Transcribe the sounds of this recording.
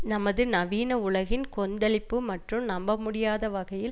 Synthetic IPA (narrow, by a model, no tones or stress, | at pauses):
nɐmɐðɯnɐʋiːnɐʊɭɐɣɪnkɔnd̪ɐɭɪpːɯmɐʈrɯmnɐmbɐmʊɽɪjaːðɐʋɐɣɐjɪl